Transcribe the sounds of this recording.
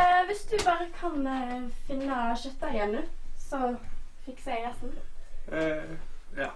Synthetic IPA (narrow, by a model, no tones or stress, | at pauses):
ʋɪsd̪ʉbɑːɾəkʰɑnfɪnːəʃœt̪ːɑjɛnːʉsɔfɪkːseːɾæst̪n | ɑ